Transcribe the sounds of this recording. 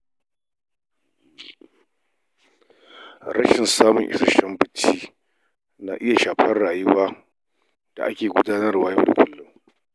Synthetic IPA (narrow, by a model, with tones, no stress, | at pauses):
ɾɐ˦ʃɪ˨nsaː˦mʊ˨ŋʔɪ̰˦sɐ˦ʃɐ˦mbɪ˨t͡ʃːiː˦ | na̰˦ʔɪ˦ja˨ʃaː˨ɸɐ˦rɽaː˨jʊ˦waː˦ | d̥a̰˨ʔa˦kʲeː˨ɡʷʊ˦daː˦nɐ˦rwaː˦jɐ˦˨ʊ̰˨kʷʰʊ˦lːʊ˦m